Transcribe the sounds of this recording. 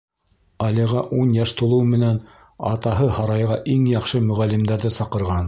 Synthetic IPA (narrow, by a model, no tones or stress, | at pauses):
ɑliʁɑʔunjɑʃt̪ŭlˠɤwmɘ̆næn | ɑ̰t̪ɑɦɤhɑɾɑjʁɑʔiŋjɑχʃɤmɵ̆ʁælːɘmd̪æɾðɘsɑqɤ̆ɾʁɑn